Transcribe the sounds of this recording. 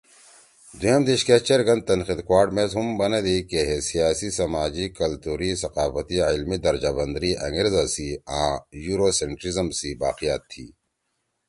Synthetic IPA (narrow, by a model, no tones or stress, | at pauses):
d̪ujamd̪iɕket͡ʃeɾɡɐ̃nd̪̚t̪ɐnxid̪kwaːɾʈmeːzɦumbɐned̪ekeɦesijaːsisɐmaːd͡ʑikɐlt̪uːɾisɐqaːfɐt̪iʕɪlmid̪ɐɾd͡ʒaːbɐnd̪ɾiɐ̰ŋɡiɾzasiãːjuːɾoseɳʈɾizəmsibaːqijaːt̪ʰːḭː